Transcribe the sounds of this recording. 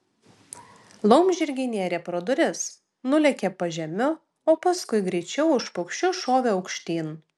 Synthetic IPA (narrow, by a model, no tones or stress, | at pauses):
lˠɔʊmʲʒʲɪɾʲɡʲɪnʲeːɾʲepɾoːd̪ʊɾʲɪs | nʊlʲɛkʲepɐʒʲɛmʲʊ | oːpɐskʊɪɡɾʲɛɪt͡ʃʲɛʊɪʃpʊkʃʲt͡ʃʲʊʃoːʋʲeːɐʊkʃʲt̪ʲiːn